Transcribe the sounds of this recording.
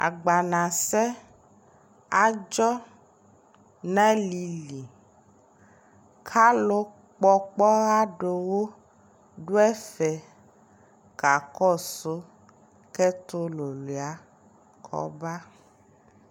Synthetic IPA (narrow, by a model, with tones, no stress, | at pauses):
a̰˨ɡ͡ba˨nã˨sɛ˦ | a˦d͡ʒɔ˦ | nɛ̃˦li˨li˨ | kʰa˦lo˦ | k͡pɔ˦k͡pɔ˦ɣa˦ɖo˨wo˦ | ɖo˦ɛ˦fɛ˨ | ka˨kɔ˦so˦ | kɛ˦t̪o˦lo˨le˨a˦ | kʰɔ̰˦ba˦